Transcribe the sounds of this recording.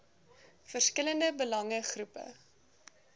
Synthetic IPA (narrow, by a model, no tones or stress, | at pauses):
fərskələndəbəlɐŋəχrupə̰